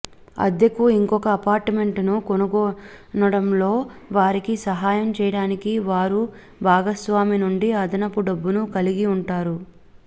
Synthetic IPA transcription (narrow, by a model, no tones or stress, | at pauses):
ɐ̰d̪jɐkuiŋkɔkɐːpaːɾʈme̞ɳʈnukonuɡɔː | nɐɽɐmlo̞ːʋaːɾikisɐɦaːjɐmt͡ʃɛːjɐɽaːnikiʋaːɾu | bʱaːɡɐsʋaːminuɳɖiɐd̪ʱɐnɐpuɖɐbːunukɐliɡiuɳʈaːɾu